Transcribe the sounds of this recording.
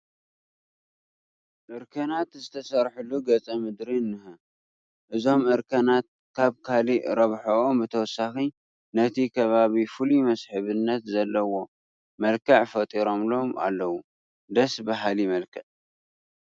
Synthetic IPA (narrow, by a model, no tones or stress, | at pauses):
ʔɨɾkʰɐnat̪zɨt̪ʰɐsɐɾħulːuɡɐt͡sʼɐmɨd̪ɾinːɨhɐ | ʔɨzo̞mʔɨɾkʰɐnat̪̚ | kʰaβkʰaliɾɐβħoʔombɨt̪ʰɐwɔsːaxi | nɐt̪ʰikʰɐβaβifɨlimɐsħɨβɨnːɐt̪zɐlːɐwo̞ | mɐlkʰɐʕfɐt̪ʼiɾo̞mlo̞ma̰lːɐwu | d̪ɐsbaɦalimɐlkʰɐʕ